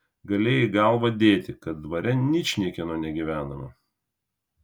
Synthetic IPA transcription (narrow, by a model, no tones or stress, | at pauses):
ɡɐlʲeːjɪɡɑˑlˠʋɐd̪ʲeːt̪ʲɪkɐt̪̚d̪ʋɐɾʲɛnʲɪʃʲnʲiɛkʲɛnoːnʲɛɡʲiʋʲæːnɐmɐ̰